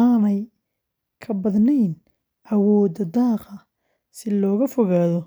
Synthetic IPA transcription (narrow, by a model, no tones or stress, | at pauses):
aːnɛj | kʰɐbɐðnɛjn | ʔɐwɔːd̪ɐd̪ɑːqɑ | sɪlɔːɣɐfɔɣaːðɔ